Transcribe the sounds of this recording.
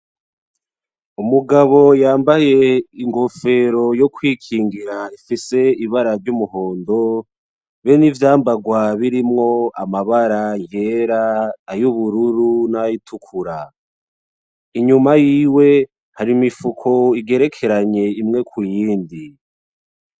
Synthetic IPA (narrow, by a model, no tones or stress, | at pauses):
umuɡaβo̞jaːmbaje̞iŋɡo̞fe̞ɾo̞jo̞kwiːkʰiːŋɡiɾaifise̞iβaɾavɟumuɦo̞ːndo̞ | βenivjaːmbaɡwaβiɾimŋo̞amaβaɾaije̞ɾaːjuβuɾuɾunajitʰukʰuɾa | iɲumajiːwe̞ | haɾimifukʰo̞iɡe̞ɾe̞kʰe̞ɾaɲe̞imŋe̞kʰujiːndi